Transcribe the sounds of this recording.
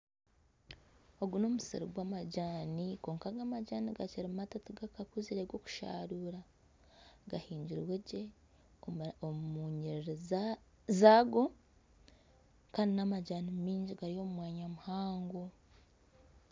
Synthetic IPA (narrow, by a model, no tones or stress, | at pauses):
o̞ɡuno̞musḭɾiɡwamaɟaːniko̞ːŋkaɡamaɟaːniɡaciɾimatatuɡakakuziɾeɡwo̞ku̥ʃa̰ːɾuːɾa | ɡahiːɲɟiɾweɟe̞ | omuːɲeɾɾiz | zaɡo̞ | kaːndinamaɟaːnimiːɲɟiɡaɾijo̞mumwaːɲamuhaːŋɡo̞